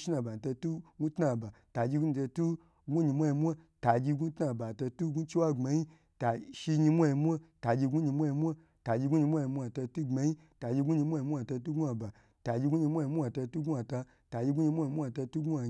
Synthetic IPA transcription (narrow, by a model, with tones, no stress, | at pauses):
ʃi˦na˧˨ba˨n˨ta˧tu˦ɡu˦tna˧˨ba˨ | ta˨d͡ʒi˧ɡu˦ni˧ta˧tu˦ | ɡu˦ɲi˧mʷa˦ji˧mʷ˦a˦ta˨d͡ʒi˧ɡu˦tna˧˨ba˨ta˧tu˦ɡu˦t͡ʃi˦wa˦ŋ͡ma˧ji˦ | ta˨ʃi˧ɲi˧mʷ˦a˧ji˧mʷ˦a˦ta˨d͡ʒi˧ɡu˦ɲi˧mʷ˦a˦ji˧mʷ˦a˦ | ta˨d͡ʒi˧ɡu˦ɲi˧mʷ˦a˦ji˧mʷ˦a˧˨ta˧tu˦ɡ͡ba˧ji˦ | ta˨d͡ʒi˧ɡu˦ɲi˧mʷ˦a˦i˧mʷ˦a˧˨ta˧t̬u˦ɡu˦a˧ba˨ | ta˨d͡ʒi˧ɡu˦ɲi˧mʷ˦a˦˧ji˧mʷu˦a˧˨ta˧tu˦ɡu˦a˧ta˧ | ta˨d͡ʒi˧ɡu˦ɲi˧mʷ˦a˦˧i˧mʷ˦a˧˨ta˧tu˦ɡu˦a˨